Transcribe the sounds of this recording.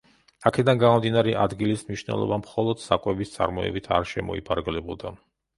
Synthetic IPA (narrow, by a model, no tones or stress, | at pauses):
akʰɛd̪anɡamɔmd̪inaɾɛʔad̪ɡilismniʃnɛ̰lˠɔ̰bamχɔlˠɔd̪̥sakʼwɛbist̪sʼa̰ɾmɔɛ̰bit̪ʰa̰ɾʃɛmɔ̰ipʰaɾɡlɛbulˠd̪a